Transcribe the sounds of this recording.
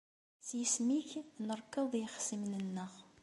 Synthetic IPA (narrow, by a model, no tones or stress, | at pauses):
θjəsmiçnəɾˤkːəðˤjəχə̥sːimnənːəʁ